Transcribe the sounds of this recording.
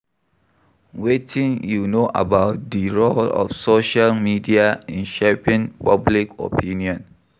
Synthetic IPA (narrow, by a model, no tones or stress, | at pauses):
wetʰĩŋjunoʔə̰baʊt̚diɹolɔ̰fsoʃalmidiaĩnʃepĩŋpablikɔ̰pʰĩniɔ̃n